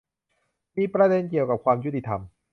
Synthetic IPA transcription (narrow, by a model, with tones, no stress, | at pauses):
miː˧pɾa˧de˧nki˨˩əwka˨˩p̚kʰwaː˧mju˦˥t̪ːi˨˩t̪ʰa˧m